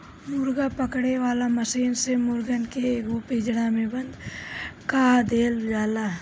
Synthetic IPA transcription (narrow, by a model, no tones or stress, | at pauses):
mʊɾɡapəkɽeʋaːlamɐsiːnsemʊɾɡənkeɡopiːd͡ʒɽamẽbə̃nd̪kaːd̪eːld͡ʒaːlaː